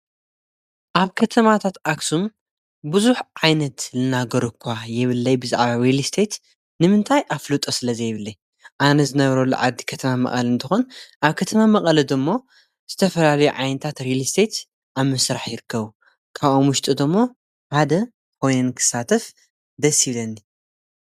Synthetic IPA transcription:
ʔaβkʰɐt̪ʰɐmat̪ʰat̪ʔaksum | bɨzuħʕajnɐt̪lɨnaɡɐɾukʷʰːajɪβɨlːɐjbɨzaʕβaɾelist̪ʰet̪ | nɨmɨnt̪ʰajʔaflut̪ʼosɨlɐzɐjɪβɨlːɐ | ʔanɐzɨnɐβɾɐlːṵʕa̰d̪ːikʰɐt̪ʰɐmamɐ̰χʼɐlɨnt̪ʰɨxonʔaβkʰɐt̪ʰɐmamɐχʼɐlid̪ɨmːo̞ | z̥ɨt̪ʰɐfɐlalɐjuʕajnɐt̪ʰat̪ɾilist̪ʰet̪ | ʔaβmɨsɾaħjɪɾɨkʰːɐβu | kʰaβʔomwʊʃt̪ʼɨd̪ɨmːo | ħad̪ɐ | kʰo̞jnɨnkʰɨ̥sat̪ʰɐf | d̪ɐsilɐnːi

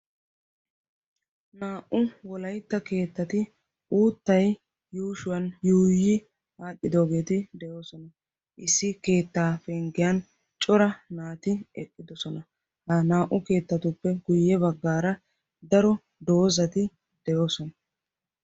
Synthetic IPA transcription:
naːʔʊwɔlɐjt̪ːɐke̞ːt̪ːɐt̪ɪ | uːt̪ːɐj | juːʃʊwɐnjuːjɪ | aːtːɪd̪o̞ːɡe̞ːt̪ɪd̪ɛjo̞ːsɔnɐ | ʔɪsːɪke̞ːt̪ːaːfɛŋɡɪjɐn | t͡ʃʼɔɾɐnaːt̪ɪɛkʼːɪd̪ɔsɔnɐ | hɐnaːʔʊke̞ːt̪ːɐt̪ʊpːɛɡʊjːɛbɐɡːaːɾɐ | d̪ɐɾɔ | d̪o̞ːzɐt̪ɪ | d̪ɛjo̞ːsɔnɐ

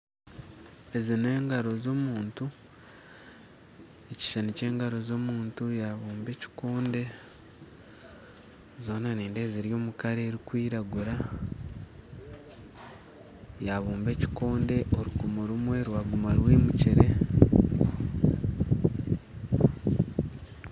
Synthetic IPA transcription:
e̞zine̞ːŋɡaɾo̞zo̞muːntu | eci̥ʃanice̞ːŋɡaɾo̞zo̞muːntujaβuːmbe̞ːci̥koːnde̞ | zo̞ːnaniːnde̞ːziɾjo̞ːmukaɾe̞ːɾikwiːɾaɡuɾa | jaβuːmbe̞ːci̥ko̞ːnde̞ʔoɾukumuɾumwe̞ɾwaːɡumaɾweːmuciɾe̞

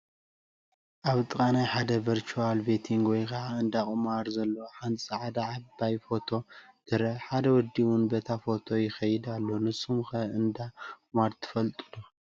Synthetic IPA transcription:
ʔaβt̪ʼɨkʼanajħad̪ɐviɾt͡ʃualbet̪ʰiŋɡwɔjkʰaʕaɨnd̪akʼɨmaɾzɐlːoħanʼsʼaʕad̪aʕabajfo̞t̪ʰo̞d̪̥ʰɨɾɐħad̪ɐwɔd̪ːiwʊnbɐt̪ʰafo̞t̪ʰo̞jɪxɐjɪd̪alːonɨsumxɐɨnd̪amaɾt̪ʰɨ̥fɐlt̪ʼulo

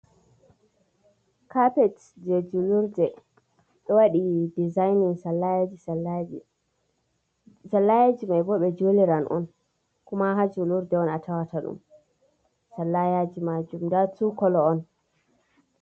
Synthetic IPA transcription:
kʰapɛt | d͡ʒed͡ʒuluɾdɛ | ɗɔwaɗidizajniŋsalːajad͡ʒisalai | salːajad͡ʒimajbɔɓɛd͡ʒoliɾanʔɔ̰n | kumaɦad͡ʒuluɾdɛɔnatʰawatʰaɗṵm | salːajad͡ʒimad͡ʒumdatukɔlɔːn

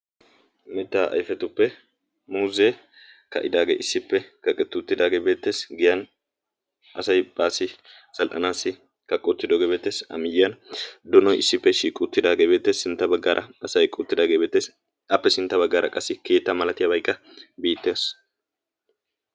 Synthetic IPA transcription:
mɛt̪ːaːʔɐ̰jfɛt̪ʊpːɛ | muːze | kɐ̰ʔɪd̪aːɡḛːʔɪsːɪpːɛkɐkʼːɛt̪ːʊt̪ːɪd̪aːɡeːbe̞ːt̪ːe̞ːsɡɪjɐn | ʔɐsɐjbʼaːsːɪ | sɐlʔɐnaːsːɪ | kɐkʼːʊt̪ːɪd̪ɔɡebeːt̪ːeːsɐ̰mɪjɪjɐnd̪ɔnɔjɪsːɪpːɛʃiːkʼːʊt̪ːɪd̪aːɡeːbe̞ːt̪ːe̞ːsːɪnt̪ːɐbɐɡːaːɾʔɐ̰ɐsɐjkʼʊt̪ːɪd̪aːɡeːbeːt̪ːeːs | ɐpːɛsɪnt̪ːɐbɐɡːaːɾʔɐ̰kʼɐsːɪke̞ːt̪ːɐmɐlɐt̪ɪjɐbɐjkʼːɐ | biːt̪ːeːs

